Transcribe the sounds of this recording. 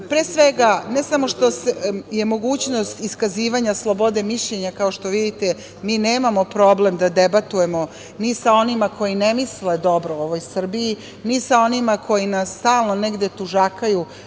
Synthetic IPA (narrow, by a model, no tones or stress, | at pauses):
pɾeːsʋeɡane̞samo̞ʃt̪o̞seje̞mo̞ɡuːt͡ɕno̞st̪iskaziːʋaɲaslˠo̞bo̞d̪e̞miʃʎe̞ɲakaoʃt̪o̞ʋid̪it̪e | miːneːmamo̞pɾo̞ble̞md̪ad̪e̞bat̪ujemo̞ | nisao̞nimakʰo̞jinemisled̪o̞bɾooʋojsr̩bii | nisao̞nimakʰo̞jinasːt̪aːlˠnone̞ɡd̪e̞t̪uʒakaju